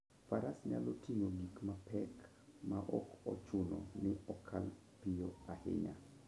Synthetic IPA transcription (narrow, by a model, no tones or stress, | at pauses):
faɾasɲa̰lotʰiŋoɡikmapɛk | maʔɔkɔt͡ʃʊnɔ̰nɪɔkʰal | pɪjoahɪ̰ɲa